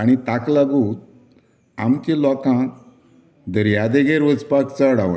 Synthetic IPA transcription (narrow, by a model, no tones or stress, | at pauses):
aɽ̃it̪aklaɡuːt̪̚ | amkĩlɔkã | d̪əɾjad̪eɡeɾʋəd͡zpakt͡səɽaʋ̰